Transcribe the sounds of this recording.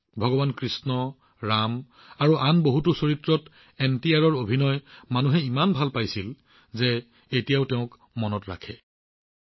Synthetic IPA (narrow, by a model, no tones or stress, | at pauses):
bʱɔɡɔbankɹisnɔ | ɹam | aɹuʔanboɦutusoɹitɹɔt | ɛntijaɹɔɹobʱinɔjmanuɦɛimanbʱalpajsil | ze | etijaʊtɛʊ̃k | mɔnɔtɹa̰kʰɛ̰